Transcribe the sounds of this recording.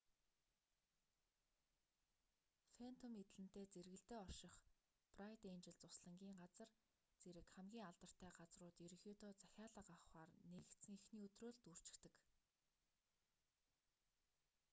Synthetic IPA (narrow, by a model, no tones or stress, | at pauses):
fen̥t̪ʰomet̪̆ɮɘ̆n̥t̪eːt͡seɾɣɘ̆ɬt̪eːɔrʃɪ̆χ | prajt̪ent͡ɕɪ̆ɮt͡sʊsɮə̆ŋɡʲiːŋɢat͡sə̆r | t͡seɾɘ̆kχæmɡʲiːŋaɮt̪ə̆r̥t̪ʰæːɢat͡srʊːt̪jeɾɘ̆xʲjuːt̪oːt͡sæxʲaːɮə̆qaχwaːrnet̪sɘ̆ŋixniːɵt̪roːɮt̪ur̥t͡ɕɪ̥̆kt̪ɘ̆k